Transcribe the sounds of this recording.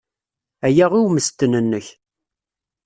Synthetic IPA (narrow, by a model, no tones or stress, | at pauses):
æjæʁiwməst̪ːənənːəç